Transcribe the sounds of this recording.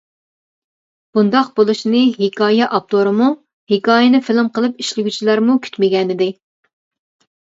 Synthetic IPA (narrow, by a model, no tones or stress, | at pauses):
b̥und̪ɑq̚bolˠuʃnɨɦekʰɑːjɛʔɑp̚t̪oɾɨmu | hekɑːjɪnɪfɪlɪmqəlˠɨp̚iʃlɪɡʲyt͡ʃʰilæɾmukʲʰy̥t̪mɪɡʲɛnɪd̪ɪ